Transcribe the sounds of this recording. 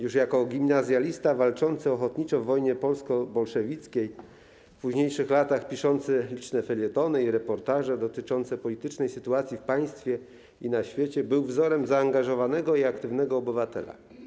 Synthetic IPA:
juʂjakɔɡʲimnazʲjalʲist̪avalt͡ʂɔnt̪sɨɔxɔt̪ɲit͡ʂɔvːɔjɲɛpɔlskɔbɔlʂɛvʲit̪skʲej | puʑɲejʂɘxlat̪axpʲiʂɔnt̪sɘlʲit͡ʂnɛfɛlʲjɛt̪ɔnɘiɾɛpɔɾt̪aʐɛd̪ɔt̪ɘt͡ʂɔnt̪sɛpɔlʲit̪ɘt͡ʂnɛjsɘt̪uat̪sʲjifpaj̃st̪fʲjɛ | inaɕfʲjet͡ɕɛbɘwvzɔɾɛmzaːŋɡaʐɔvanɛɡɔiakt̪ɘvnɛɡɔːbɘvat̪ɛ̰la̰

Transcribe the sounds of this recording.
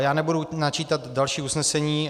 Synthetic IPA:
jaːnɛbudunat͡ʃiːt̪at̪dalʃiːusnɛsɛɲiː

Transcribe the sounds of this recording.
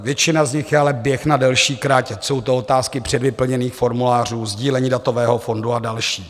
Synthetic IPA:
vjɛt͡ʃɪnazɲɪxjɛalɛbjɛxnadɛlʃiːkɾacso̞wt̪oot̪aːskɪpr̝̥ɛdvɪpl̩ɲɛniːxfo̞ɾmulaːr̝uːzɟiːlɛɲiːdat̪o̞vɛːɦo̞fo̞nduadalʃiː

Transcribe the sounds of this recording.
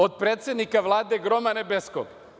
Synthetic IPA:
od̪̚pɾeːt̪sʲed̪nikaʋlˠaːd̪eɡɾomanebesko̰p

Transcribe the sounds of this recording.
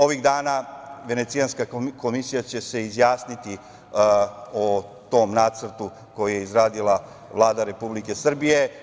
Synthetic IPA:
o̞ʋiɣd̪aːnaʋe̞ne̞t̪sijanskako̞misijat͡ɕe̞se̞izjaːsnit̪i | ot̪o̞mnaːt̪sr̩t̪u | ko̞juje̞izɾaːd̪ilˠa | ʋlˠaːd̪aɾe̞publike̞sr̩bije̞

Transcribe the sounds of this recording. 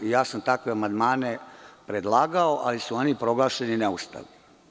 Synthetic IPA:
ijaːsamt̪akʋeamand̪maːnepɾed̪lˠaːɡaoʔalisuonipɾo̞ɡlˠaːʃenineust̪a̰li

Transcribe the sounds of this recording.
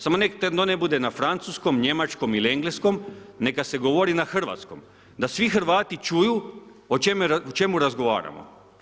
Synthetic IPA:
samonekt̪ed̪nonebud̪e̞nafɾant̪suːsko̞mɲe̞mat͡ʃkomilieŋɡleskomne̞kase̞ɡo̞ʋoɾinaxr̩ʋa̰t̪sko̞̰m | d̪asʋixrʋaːt̪it͡ʃuju | ot͡ʃemeaot͡ʃe̞muɾazɡo̞ʋa̰ːɾa̰mo̰

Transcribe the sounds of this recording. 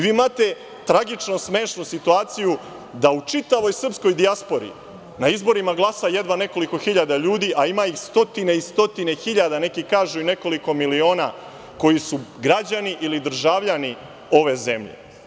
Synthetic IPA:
ʋiːmat̪e̞ | t̪ɾaɡit͡ʂno̞sme̞ːʃnusit̪uaːt̪siju | d̪aut͡ʂit̪aʋo̞jsr̩psko̞jd̪iaspo̞ɾḭ | naizbo̞ɾimaɡlˠaːsajed̪ʋane̞ko̞liko̞xiʎad̪aʎuːd̪iʔaimaixst̪o̞t̪ine̞ist̪o̞t̪ine̞xiʎad̪ane̞kikaːʒuine̞ko̞liko̞milio̞ːna̰ | ko̞jisuɡɾad͡ʑaniʔilid̪ɾ̩ʒaʋʎani | o̞ʋe̞ze̞mʎḛ

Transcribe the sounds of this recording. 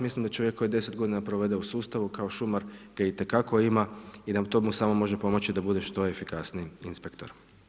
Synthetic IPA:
mislimd̪at͡ʃo̞ʋjekːo̞jid̪e̞se̞t̪̚ɡod̪inapɾoʋe̞d̪e̞usuːst̪aʋukao̞ʃumaɾɡ̥ait̪e̞kako̞imaid̪at̪o̞musamo̞mo̞ʒepo̞mo̞t͡ʃid̪abud̪e̞ʃt̪o̞efikasniiinspekt̪o̰ɾ

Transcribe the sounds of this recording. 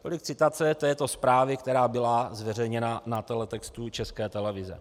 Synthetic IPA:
t̪o̰lɪk̚t͡sɪt̪at͡sɛt̪ɛːt̪o̞spɾaːvɪkt̪ɛɾaːbɪlazvɛrɛjɲɛnanat̪ɛlɛt̪ɛkst̪ut͡ʃɛskɛːt̪ɛlɛvɪzɛ̰

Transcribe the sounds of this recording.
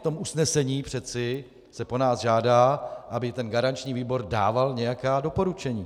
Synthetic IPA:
t̪o̞musnɛsɛɲiːpr̝̥ɛt͡sɪ | sɛpo̞naːsʒaːdaːʔabɪt̪ɛnɡaɾant͡ʃɲiːviːbo̞ɾda̰ːvalɲɛjakaːdo̞po̞ɾut͡ʃɛɲiː

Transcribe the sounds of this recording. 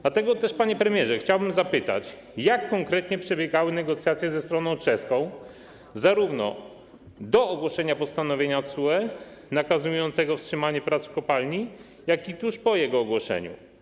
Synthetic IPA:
d̪at̪ɛɡɔt̪ɛʂpaɲɛpɾɛmʲjɛʐɛxt͡ɕawbɘmzapɘt̪a̰t͡ɕ | jakːɔŋkɾɛt̪ɲɛpʂɛbʲjɛɡawɘnɛɡɔt̪sʲjat̪sʲjɛzɛst̪ɾɔnɔ̃w̃t͡ʂɛskɔ̃w̃ | zaɾuvnɔ̰ | d̪ɔːɡwɔʂɛɲapɔst̪anɔvʲjeɲat̪suɛ | nakazujɔnt̪sɛɡɔfstʂɘmaɲɛpɾat̪sfkɔpalɲi | jakit̪uʂpɔjɛɡɔːɡwɔʂɛ̰ɲṵ

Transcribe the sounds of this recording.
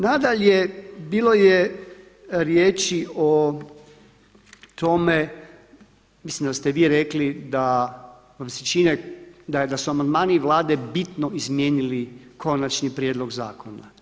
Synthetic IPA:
nad̪aʎebiːlo̞je | ɾjeːt͡ʃio | t̪o̞me̞ | mislimd̪ast̪eʋiːɾeklid̪a | ʋamset͡ʃined̪ad̪asuamand̪maːniʋlaːd̪e̞bit̪noizmje̞ːnilikʰo̞nat͡ʃnipɾjed̪lo̞ɡza̰ːkʰona̰

